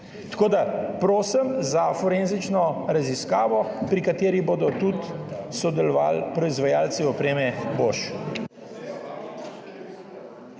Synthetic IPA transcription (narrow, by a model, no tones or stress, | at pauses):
t̪ḁkoːd̪apɾoːsəmzafɔɾenzit͡ʃnɔɾaziskaːʋɔpɾikat̪eːɾiboːd̪ɔt̪ut̪sɔd̪ɛlɔʋa̰lpɾɔizʋajaːlsiɔpɾeːmɛboʃ